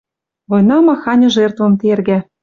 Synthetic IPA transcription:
βojnɑmɑxɑnʲɤ̆ʒert̪vɤ̆mt̪erɡæ

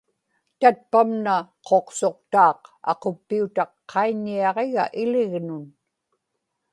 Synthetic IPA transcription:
t̪at̪̚pamnaqʰo̞qso̞q̚t̪ɑːqɑ̰qopːiut̪ɑqːɑiɲːiɑʁe̞ɣa̰ʔɪlɪɣnʊn

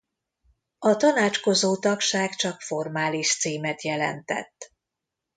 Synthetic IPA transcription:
ɒt̪ɒnaːt͡ʃko̞zoːt̪ɒkʃaːkt͡ʃɒkfo̞rmaːliʃt̪siːmɛt̪jɛlɛ̰nt̪ɛ̰t̪ː

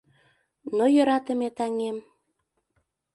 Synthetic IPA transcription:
nojø̆ɾɑt̪ə̆met̪ɑŋem

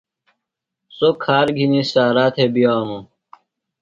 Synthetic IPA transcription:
sokʰaːɾɡʱinisaːɾaːt̪ʰebijaːɦũ

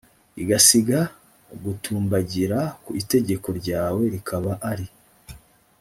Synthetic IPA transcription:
iɡasiɡa | ɡutʰuːmbaɟiɾakuite̞ɟe̞ko̞ɾɟaːwe̞ɾikʰaβaʔaɾi

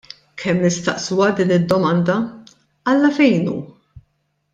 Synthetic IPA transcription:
kʰɛmːnɪst̪ɐʔsuwɐd̪iːnɪd̪ːɔmɐnd̪ɐ | ɐlːɐfɛjnṵː

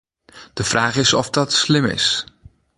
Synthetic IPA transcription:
d̥əv̥raːχɪsɔfdɑtslɪmɪ̰s

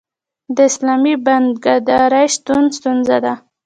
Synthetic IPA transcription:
d̪əɪslɑmiband̪ɡaɾd̪ɑɾajʃt̪unst̪unzad̪a

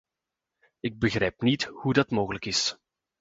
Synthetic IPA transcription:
ɪɡ̚bəɣrɛjpnithudɑtmoːɣələkɪs

